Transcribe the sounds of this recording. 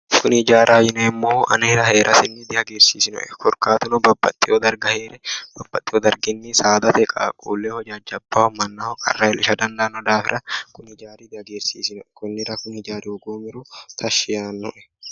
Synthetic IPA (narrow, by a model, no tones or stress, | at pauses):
kʊnhɪd͡ʒaːɾʔaːjɪnɛɪmːoːɐ̰nɐɾɐhe̞ːɾʔɐsɪnːɪd̪ɪhɐɡeːɾsiːsɪnɔ̰ʔɛkɔɾkaːt̪ʊnɔbɐbːɐ̰t̪ʼːɪod̪ɐɾɡɐheːɾɛb̥ɐb̥ːɐt̪ʼːɪhɔd̪ɐɾɡɪnːɪsaːd̪ɐt̪ɛkʼakʼṵːlːeːhɔd͡ʒɐd͡ʒɐbːɐmɐnːahɔkʼɐ̰rːɐɛlɪʃɐd̪ɐnd̪anɔd̪aːfɪɾʔɐkʊnhɪd͡ʒaːɾɪd̪ɪhɐɡeːɾsḭːsɪnɔɛkʊnːɪɾɐkʊnhɪd͡ʒaːɾɪʊɡoːmɪɾʊt̪ʰɐʃːɪjaːnːɔʔɛ̥